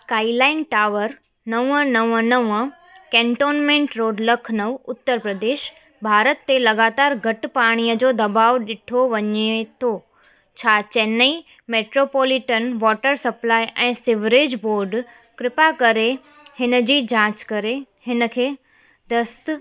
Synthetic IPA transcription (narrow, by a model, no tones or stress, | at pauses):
kaːilaːɪnʈaːʋəɾ | nɐʋə̃nɐʋə̃nɐʋə | kɛ̃ːɳʈoːnmẽɳʈɾoːɖləkʰnɐʋʊt̪ːəɾpɾəd̪eːʃ | bʱaːɾət̪ːelɐɡaːt̪aːɾɡʱɐʈpaːɽ̃ijəd͡ʑoːd̪ɐbaːʋɗɪʈʰoʋɐɲet̪ʰo | t͡ɕʰaːt͡ɕɛnəi | meːʈɾopoːlɪʈənʋɔːʈəɾsɐplaːiʔɛ̃ːsɪʋɾeːd͡ʑboːɾɖ | kɾɪpakɐɾe | hɪnə̆d͡ʑiːd͡ʑãːt͡ɕkɐɾe | hɪnəkʰeː | d̪ɐst̪